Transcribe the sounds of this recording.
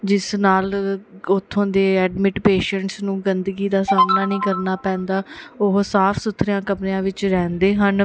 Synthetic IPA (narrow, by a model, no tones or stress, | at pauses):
d͡ʒɪsnaːlʊt̪ʰːõːd̪eːɛːɖmɪʈpeːʃəɳʈsnũːɡənd̪əɡiːd̪aːsaːmnaːnĩːkəɾnaːpɛ̃ːnd̪aːʊɦsaːpʰsʊt̪ʰːɾɪjãːkəpnejãːʋɪt͡ʃɾɛ̃ːnd̪eːɦən